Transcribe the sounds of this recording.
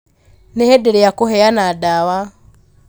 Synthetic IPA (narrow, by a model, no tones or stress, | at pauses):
nehɛdeɾejakoɦɛjanadawa